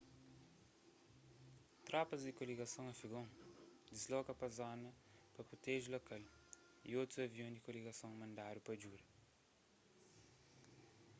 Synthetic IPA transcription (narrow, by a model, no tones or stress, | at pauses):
t̪ɾɔpɐzd̪ɪkoliɡɐsɐ̃w̃ɐfiɡõŋd̪ɪzlɔkɐpɐzɔnɐpɐpɾot̪ɛʒulokal | ḭot̪ɾuɐviõd̪ɪkoliɡɐsɐ̃w̃mɐ̃nd̪aɾupɐd͡ʒuɾɐ